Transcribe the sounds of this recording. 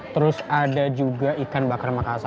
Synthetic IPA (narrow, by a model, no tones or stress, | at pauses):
t̪əɾʊsadad͡ʒuɡaikanbakarmakasa